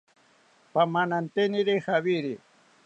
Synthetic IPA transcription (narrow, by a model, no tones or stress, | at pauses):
pamanant̪eniɾixaβiɾi